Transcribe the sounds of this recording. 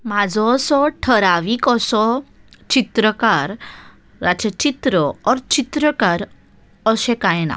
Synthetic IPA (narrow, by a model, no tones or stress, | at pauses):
mad͡zʱɔːsɔʈʰəɾaʋiːkəsɔ | t͡ɕit̪ɾəkaɾː | at͡ɕət͡ɕit̪ɾəɔɾt͡ɕit̪ɾəkaɾ | əsɛ̃kajɛna̰